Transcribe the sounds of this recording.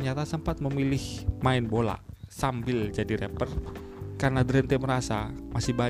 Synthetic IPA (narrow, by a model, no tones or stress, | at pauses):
ɲat̪asəmpat̪̚məmilɪhmaɪnbola̰sambɪld͡ʒadiɾɛpərkarnadɾɛnt̪ɛməɾasamasɪhba